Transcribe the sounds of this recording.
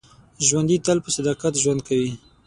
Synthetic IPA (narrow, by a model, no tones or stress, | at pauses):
ʒwand̪it̪alpəsad̪ɑqat̪ʒwand̪̚kawi